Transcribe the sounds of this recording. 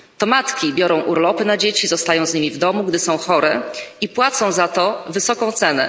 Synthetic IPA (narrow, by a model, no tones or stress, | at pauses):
t̪ɔmat̪kʲibʲjɔɾɔ̃w̃ʔuɾlɔpɘnad͡ʑet͡ɕizɔst̪ajɔ̃w̃zɲimʲivd̪ɔmuɡd̪ɘsɔ̃w̃xɔɾɛipwat̪sɔ̃w̃zat̪ɔvɘsɔkɔ̃w̃t̪sɛnɛ